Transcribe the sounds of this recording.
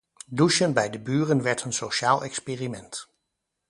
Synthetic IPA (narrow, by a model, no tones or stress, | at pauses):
duʃənbɛjdəbyːrənʋɛɹtənsoʃaːlˠʔɛ̰kspeːrimɛnt